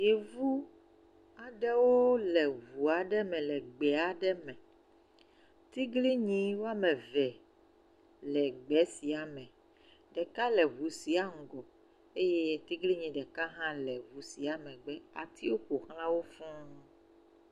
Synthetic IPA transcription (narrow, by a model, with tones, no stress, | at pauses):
je˨vu˦ | a˨ɖɛ˦wo˦lɛ˨vu˨a˨ɖɛ˦mɛ̃˨lɛ˨ɡ͡bɛ˨a˨ɖɛ˦mɛ̃˨ | t̪i˦ɡli˦ɲĩ˦wo˦a˦mɛ̃˨vɛ˨ | lɛ˨ɡ͡bɛ˨˦si˨a˨mɛ̃˨ | ɖɛ˨ka˦lɛ˨vu˨si˨a˦ŋ̩˨ɡɔ˨ | e˦je˦t̪i˦ɡli˦ɲĩ˨ɖɛ˨ka˦ɦã˦lɛ˨vu˨si˨a˨mɛ̃˨ɡ͡bɛ˦a̰˨t̪ʰi˦wo˦ko˨xl̃ã˦wo˦fũ˦